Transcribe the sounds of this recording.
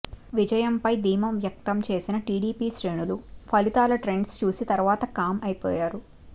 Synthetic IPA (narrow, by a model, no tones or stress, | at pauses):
ʋid͡ʒɐjɐmpɐjd̪iːmɐmʋjɐk̚t̪ɐmt͡ʃe̞ːsinɐʈiːɽiːpiːʃɾe̞ːnulupʰɐlit̪aːlɐʈɾe̞ɳɖst͡ʃuːsit̪ɐɾʋaːt̪ɐkaːmɐjipɔ̰ːjaːɾu